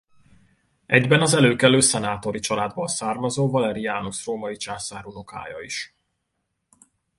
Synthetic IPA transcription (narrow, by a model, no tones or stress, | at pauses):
ɛɟbɛnɒzɛløːkɛløːsɛnaːt̪o̞ɾit͡ʃɒlaːd̪bɒlsaːrmɒzoːvɒlɛɾiaːnusroːmɒit͡ʃaːsaːɾunoka̰ːjɒ̰iʃ